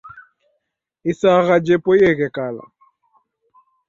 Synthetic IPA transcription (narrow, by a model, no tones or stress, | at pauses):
isaɣad͡ʒɛpɔjɛɣɛkala̰